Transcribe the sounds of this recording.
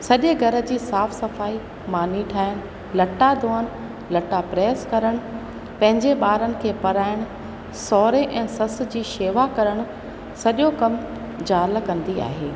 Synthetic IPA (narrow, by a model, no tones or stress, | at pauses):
sɐʄeɡʱɐɾə̆d͡ʑiːsaːfsɐfaːi | maːniʈʰaːɪɽ̃ | lɐʈad̪ʱoːəñ | lɐʈapɾɛːskɐɾəɽ̃ | pɐ̃ɦɪ̃ɲd͡ʑeɓaːɾənɪ̆kʰeːpɐɾaːɪɽ̃ʊ | sɔːɾeʔɛ̃ːsɐs̆d͡ʑiːʃeːʋakɐɾəɽ̃ʊ̆ | sɐʄokɐm | d͡ʑaːlkɐ̃nd̪ia̰ːɦeː